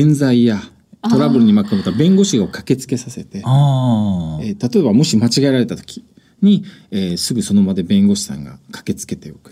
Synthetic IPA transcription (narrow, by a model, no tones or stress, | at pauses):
ẽnzaija | t̪o̞ɾabɯ̟ɾɯ̟ɲ̟imakɯmot̪ːabẽ̞ŋɡo̞ɕiɡaokḁke̞t͡sɨ̥ke̞sase̞t̪e̞ | et̪at̪o̞e̞bamo̞ɕimat͡ɕiɡaeɾaɾe̞t̪at̪o̥kʲi̥ | ɲ̟ieːsɨɡɯ̟so̞no̞mad̪e̞bẽ̞ŋɡo̞ɕi̥sã̰ŋɡa̰kʰḁke̞t͡sɨ̥ke̞t̪e̞jo̞̰kɯ̟̥